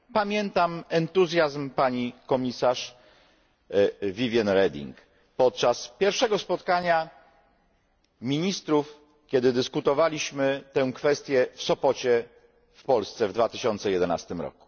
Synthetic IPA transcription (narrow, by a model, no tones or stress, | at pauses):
pamʲjɛnt̪amɛnt̪uzʲjazmpaɲikɔmʲisaʂ | vʲivʲjanɾɛd̪ʲḭŋk | pɔt̪̚t͡ʂaspʲjɛɾfʂɛɡɔspɔt̪kaɲa | mʲiɲist̪ɾuf | kʲɛd̪ɘd̪ɘskut̪ɔvalʲiɕmɘt̪ɛ̃kfɛst̪ʲjɛfsɔpɔt͡ɕɛ | fpɔlst̪sɛvd̪vat̪ɘ̥ɕɔnt̪sɛjɛd̪ɛna̰st̪ɘmɾɔ̰ku̥